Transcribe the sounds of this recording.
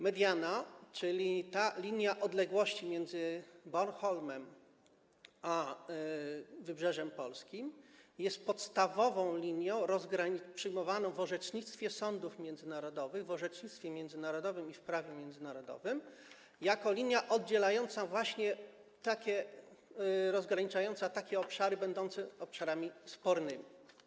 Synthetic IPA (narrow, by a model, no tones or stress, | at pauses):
mɛd̪ʲjanat͡ʂɘlʲit̪alʲiɲjaʔɔd̪lɛɡwɔɕt͡ɕimʲjɛnd̪zɘbɔnxɔlmɛm | a | vɘbʐɛʐɛmpɔlskʲimjɛst̪̚pɔt̪st̪avɔvɔ̃w̃lʲiɲjɔ̃w̃ɾɔzɡɾaɲipʂɘjmɔvanɔ̃w̃vɔʐɛt͡ʂɲit̪st̪fʲjɛsɔnd̪ufmʲjɛnzɘnaɾɔd̪ɔvɘɣvɔʐɛt͡ʂɲit̪t̪fʲjɛmʲjɛnd̪zɘnaɾɔd̪ɔvɘmifpɾavʲjɛmʲjɛnd̪zɘnaɾɔd̪ɔ̰vɘm | jakɔlʲiɲjaʔɔd̪̚d͡ʑɛlajɔnt̪savwaɕɲɛ | t̪akʲɛ | ɾɔzɡɾaɲit͡ʂajɔnt̪sat̪akʲɛɔpʂaɾɘbɛnd̪ɔnt̪sɛɔpʂaɾamʲispɔɾnɘmʲi